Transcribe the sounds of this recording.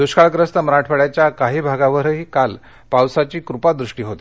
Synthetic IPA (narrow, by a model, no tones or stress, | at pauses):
d̪uɕkaɭkɾəst̪əməɾaʈʰfəɽjat͡ɕjakaɦiːbʱaɡaʋəɾəɦiːkal | pawsat͡ɕiːkɾupad̪ɾuʂʈiːɦot̪i